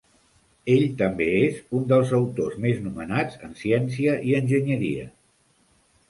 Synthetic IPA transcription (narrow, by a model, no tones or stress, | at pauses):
eʎt̪əmbeezund̪əlˠzəwt̪ozmeznumənad͡zənsiɛns̬iəʔiənʲʒəɲəɾḭə̰